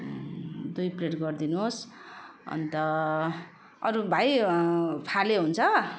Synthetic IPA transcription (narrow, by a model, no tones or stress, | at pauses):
d̪ujpleʈɡʌrd̪inuɦos | ʌ̰nt̪ʌ | ʌɾubʱaj | pʰaleɦunt͡sʰʌ